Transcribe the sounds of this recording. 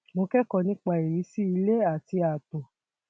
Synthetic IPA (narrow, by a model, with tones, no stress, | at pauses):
mo˧kɛ˦kɔ˧nĩ˦k͡pa˨i˨ɾi˨˦si˦i˧le˦a˦˨ti˧a˨tõ˨